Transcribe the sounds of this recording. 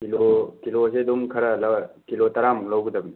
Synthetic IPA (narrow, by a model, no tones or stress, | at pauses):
kilokiloseduŋkʰɐɾɐlɐkilotɐɾamlawɡud̪ɐbn